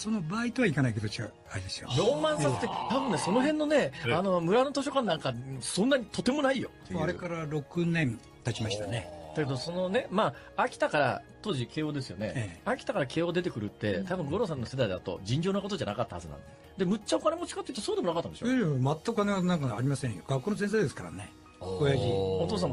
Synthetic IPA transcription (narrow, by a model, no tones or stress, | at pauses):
so̞nobaːit̪o̞βaikanaiked̪ot͡ɕiɡa̰ | aɾʲid̪esɨjo̰ɾo̞ːmãɰ̃sat̪ːet̪abɯ̃nːeso̞no̞ɦẽ̞nːo̞ne̞ano̞mɯ̟ɾano̞t̪o̞ɕo̞kãnːãŋkasõ̞nːaɲ̟it̪o̞t̪e̞mo̞naijo̞̰t̪ːeaɯɾḛkaɾaɾo̞kɯ̟nẽ̞n | t̪at͡ɕimaɕi̥t̪aned̪̥ake̞d̪oso̞no̞ne̞maː | kʲi̥t̪akaɾa̰t̪o̞ːʑikʰe̞ːo̞d̪e̞sɨjo̞̰neakʲi̥t̪akaɾake̞ːo̞d̪e̞t̪̬e̞kɯ̟ɾɯ̟t̪ːe̞t̪abɯ̟ŋɡo̞ɾo̞s̬ãnːo̞se̞d̪aid̪a̰t̪o̞̰d͡ʑĩɲ̟d͡ʑo̞ːnakot̪o̞ʑana̰kat̪ːaha̰zɨnã̰nd̪ | d̪e̞mɯ̟t͡ɕːaokane̞mo̞t͡ɕi̥kat̪ːeiɯ̟t̪o̞so̞ːd̪eonakat̪ːaneɕoemat̪ːakkaneɡanãŋkaaɾʲimasẽjoɡ̥akːonosẽs̬eːd̪eskaɾa̰ne | ojaɡio̞t̪o̞ːs̬ã